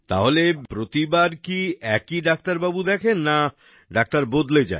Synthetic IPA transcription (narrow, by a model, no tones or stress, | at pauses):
t̪a̰ɦolepɾot̪ibaɾkiɛkiɖak̚t̪aɾbabud̪ɛkʰenːa | ɖak̚t̪aɾbod̪led͡ʑa̰e